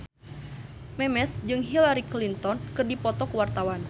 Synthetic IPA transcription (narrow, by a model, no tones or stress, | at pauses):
mɛmɛsd͡ʒɨŋɦilaɾiklint̪ɔnkɨrdipɔt̪ɔkwart̪awan